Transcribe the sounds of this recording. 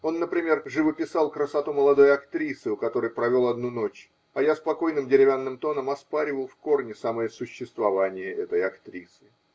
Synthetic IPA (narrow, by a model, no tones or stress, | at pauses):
o̞nːəpɾʲɪmʲe̞rʐɨvəpʲɪsalˠkɾəsɐt̪uməlˠɐd̪o̞jɐkt̪ɾʲisɨʊkɐt̪o̞ɾɨjpɾɐvʲo̞lˠɐd̪nuno̞t͡ɕ | ɐjaspɐko̞jnɨmdʲɪɾʲɪvʲanːɨmt̪o̞nəmɐspaɾʲɪvəlˠfko̞rnʲɪsaməjəsʊɕːɪst̪vɐvanʲɪjəʔɛt̪əjɐkt̪ɾʲisɨ